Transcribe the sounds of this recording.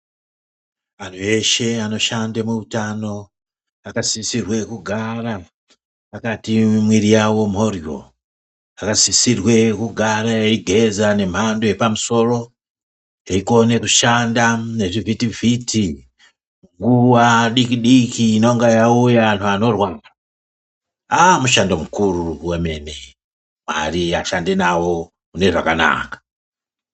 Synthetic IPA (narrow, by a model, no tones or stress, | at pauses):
antʰue̞ʃe̞ano̞ʃandemuutano̞ | akasisirwe̞kuɡʱara | akatimwiɾijawo̞m̤o̞ro̞̰ | akasisirwe̞kuɡʱaɾajeiɡʱe̞zane̞m̤andoje̞pamuso̞ro̞ | eikonekuʃandaneʐivitivitʰi | ŋɡuwaɗikiɗikiːnoŋɡajaujantʰuano̞rwaːŋɡa | amuʃandomukuɾuwemene | ma̰ɾiaʃandenawo | uneʐa̰kana̰kḁ